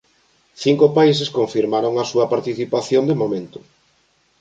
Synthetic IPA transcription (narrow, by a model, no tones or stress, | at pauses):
θiŋkopais̬eskõɱfiɾmaɾoŋasuɐpaɾt̪iθipaθjond̪emomẽnt̪ʊ̥